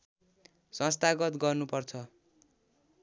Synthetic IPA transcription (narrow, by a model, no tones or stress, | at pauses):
sʌ̃st̪aɡʌt̪ɡʌrnupʌrt͡sʰʌ